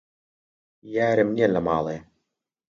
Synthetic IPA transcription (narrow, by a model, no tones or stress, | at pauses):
jæːɾəmniɛlɐmɑ̰ːlˠeː